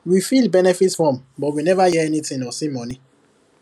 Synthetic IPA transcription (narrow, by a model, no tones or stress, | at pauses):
wifilbɛnɛfitsfɔ̃mbɔtwinɛvajɛɛnitĩŋnɔsimɔni